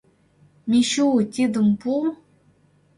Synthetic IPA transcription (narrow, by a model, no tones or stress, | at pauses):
mʲiɕutʲed̪ɤ̆mpu